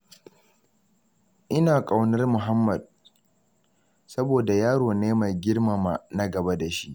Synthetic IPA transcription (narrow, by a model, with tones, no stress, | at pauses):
ʔɪ˦naː˨kʼa˨wnɐ˦rmʊ˨ɦa˦mːɐ˨d̚ | sɐ˦boː˨da˨jaː˦ɽoː˨neː˦ma˨ɡʲɪ˦rma˨ma˨na˦ɡɐ˨ba˦da˨ʃi˦ʔ